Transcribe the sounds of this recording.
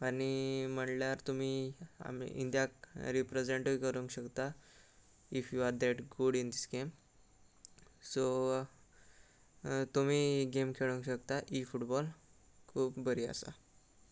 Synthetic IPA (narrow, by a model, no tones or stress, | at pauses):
anim̤əɳljaɾt̪um̤ia̰mḭḭnd̪jak̚ɾipɾed͡ʑeɳʈiʋkəɾũŋkɕəkt̪a | ifjuaɾd̪ɛʈɡuɽind̪isɡem | so | t̪um̤iːɡemkʰeɭəŋkɕəkt̪aʔifuʈbɔl | kʰuːpbəɾia̰sa̰